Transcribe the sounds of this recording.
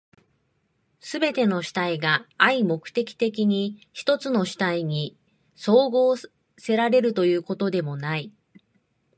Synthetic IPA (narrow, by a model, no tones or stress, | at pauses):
sɨbe̞t̪e̞no̞ɕi̥t̪aiɡaːimo̞kɯ̟̥t̪e̞kʲi̥t̪e̞kʲiɲ̟içi̥t̪o̞t͡sɨno̞ɕi̥t̪aiɲ̟i | so̞ːɡo̞ː | se̞ɾaɾe̞ɾɯ̟t̪o̞jɯ̟ːko̞t̪o̞d̪e̞mo̞nai